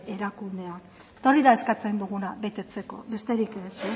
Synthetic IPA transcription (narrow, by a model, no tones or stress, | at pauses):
e̞ɾakund̪e̞ak | t̪o̞riðae̞skat͡send̪uɣunaβe̞t̪e̞t͡se̞ko̞̰βe̞st̪e̞ɾikese